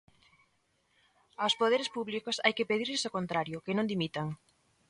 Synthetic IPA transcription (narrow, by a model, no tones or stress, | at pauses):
awspoðeɾespuβlikosa̰jkepeðiɾʎesokont̪ɾaɾjʊkenõnd̪imit̪aŋ